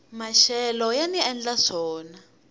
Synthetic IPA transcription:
maʃɛlɔjaniɛnd͡ɮazɔːna

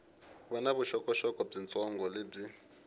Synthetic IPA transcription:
βɔnaβuʃɔkʼɔʃɔkʼɔb͡ʐint͡sʼɔŋɡɔleb͡ʐi

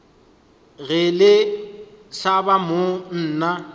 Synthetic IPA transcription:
ɣɪlɪ | sabamon̩ːna

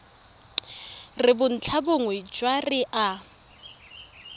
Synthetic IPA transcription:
rɪbʊn̩t͡ɬʰabʊŋwɛd͡ʒwarɪʔa

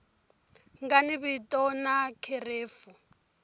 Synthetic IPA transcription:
ŋɡaniβitʼɔnakʰereːfu

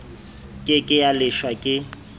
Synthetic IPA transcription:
kʼɪkʼɪjalɪʃwakʼɪ

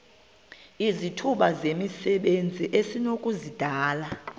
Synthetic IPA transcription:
izitʰuɓazemisɛɓend͡zʱiʔesinokʼuzid̥ʱaːla

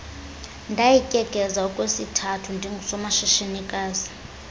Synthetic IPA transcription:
ndʱajicʼɛɡ̥ʱɛzaukʼwesitʰatʰundʱiŋʱsɔmaʃiʃenikʼaːzi

